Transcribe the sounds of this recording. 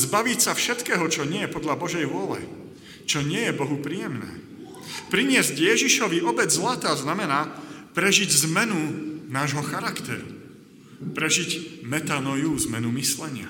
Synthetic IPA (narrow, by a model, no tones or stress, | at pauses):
zbaʋicsafʃɛt̪kɛːɦɔt͡ʃɔɲɪɛjɛpɔd̪ʎabɔʒɛjʋʊɔlɛ̰ | t͡ʃɔɲɪɛjɛbɔɦupɾijɛmnɛ̰ː | pɾiɲɪɛzɟjɛʒiʃɔʋiɔbɛd͡zzlat̪aːznamɛnaːpɾɛʒiɟzmɛnunaːʒɦɔxaɾakt̪ɛ̰ɾu | pɾɛʒiɟmɛt̪anɔjuzmɛnumislɛɲɪa̰